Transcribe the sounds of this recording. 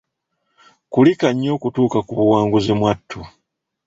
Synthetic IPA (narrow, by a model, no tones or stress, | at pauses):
kulikaɲːo̞ːkutuːkakuβuwaːŋɡuzemwatːu